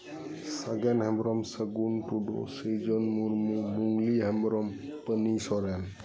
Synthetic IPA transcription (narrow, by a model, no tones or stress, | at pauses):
saɡɛnhɛmbɾɔmsəɡunʈuɖo̰sed͡ʒɔnmuɾmumuŋɡliɦɛmbɾɔmpənisɔɾɛn